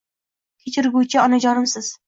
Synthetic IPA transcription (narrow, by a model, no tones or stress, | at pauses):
kʲʰet͡ʃʰɪɾɡʲut͡ʃʰɪɒnad͡ʒɒɾɪmsɪz̥